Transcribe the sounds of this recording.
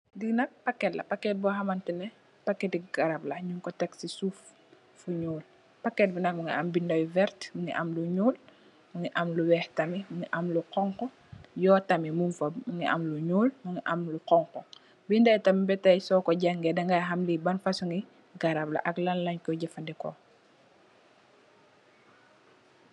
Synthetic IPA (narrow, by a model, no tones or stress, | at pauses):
diɡnɐk̚pɐkːɛtlɐ̰pɐkːɛt̚bɔɦɐmɐntɛnɛ | pɐkːɛtiɡɐɾɐblɐɲuŋkɔtɛksisuf | fuɲuːl | pɐkːɛt̚binɐk̚mɐŋɡḭʔɐmbindɐjvɛɾtmɐŋḭʔɐmluɲuːl | mɐŋiʔɐmluwɛhtɐmimɐŋiʔɐmluqɔŋkɔ | jɔːtɐmimunfɐmɐŋɡiʔɐ̰mluɲuːlmɐŋɡiʔɐmluqɔŋqɔ | bindɐjtɐmbɛtɐjsɔːkɔɟaŋɡɛdɐŋɡaɦɐmlibɐnfɐsuŋɡi | ɡɐɾablɐ̰ʔɐklɐlːɐɲkɔɟɛfɐndɛkɔ̰